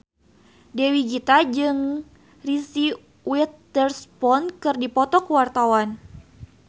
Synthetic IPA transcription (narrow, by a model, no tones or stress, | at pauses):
dewiɡit̪ad͡ʒɨŋ | risi | wit̪ərspɔnkɨrdipɔt̪ɔkəwart̪awan